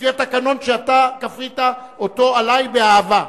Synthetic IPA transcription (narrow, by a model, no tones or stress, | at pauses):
iatakano̞nʃeatakafʁita | oto̞alajbeaava